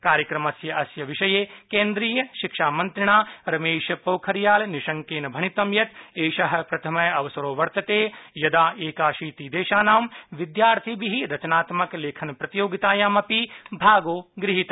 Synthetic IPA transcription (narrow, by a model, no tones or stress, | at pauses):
kaːɾjɐkɾɐmɐsjɐʔɐsjɐʋiʃɐjeːkẽːnd̪ɾiːjɐʃikʃaːmɐ̃nt̪ɾɪɳ̃aːɾɐmeːʃɐpoːkʰɐɾjaːlniʃɐ̃ŋkeːnɐbʱɐɳ̃it̪ɐmjɐt̪eːʃɐɦɐ̆pɾɐt̪ʰɐmɐjɐʋɐsɐɾoːʋɐɾt̪ɐt̪eːjɐd̪aːʔeːkaːʃiːt̪id̪eːʃaːnaːmʋid̪jaːɾt̪ʰibiɦiɾɐt͡ʃɐnaːt̪mɐkleːkʰɐnpɾɐt̪ijoːɡit̪aːjaːmɐpibʱaːɡoːɡɾɪɦit̪